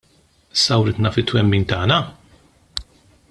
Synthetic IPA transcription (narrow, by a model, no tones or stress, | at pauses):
ɪsːɐwɾɪːt̪nɐfɪt̪ːwɛmːiːnt̪ɐːnɐ